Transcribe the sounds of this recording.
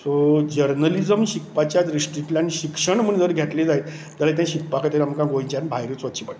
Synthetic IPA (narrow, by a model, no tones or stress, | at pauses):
sod͡ʑəɾnəlid͡zəmɕikpat͡ɕjat̪ɾisʈɾiʈlãniɕikʂəɳm̤əɳd͡zəɾɡʱaʈ̪led͡zaj | d͡zalat̪jãɕik̚pakajt̪əɾiamkãɡoĩt͡ɕanbʱajɾiːt͡sʋət̪ːt͡ɕiːpaʈ